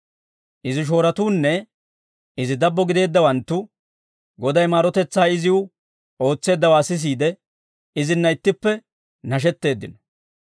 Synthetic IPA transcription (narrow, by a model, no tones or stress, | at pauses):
ʔɪzɪʃ̬o̞ːɾɐt̪uːnːɛ | ɪzɪd̪ɐbːɔɡɪd̪e̞ːd̪ːɐwɐnt̪ːʊ | ɡɔd̪ɐjmaːɾɔt̪ɛt͡sːaːɪzɪwʊ | o̞ːt͡sːe̞ːd̪ːɐwaːsɪs̬iːd̪ɛ | ɪzɪnːɐjt̪ːɪpːɛ | nɐʃ̬ɛt̪ːe̞ːd̪ːɪnɔ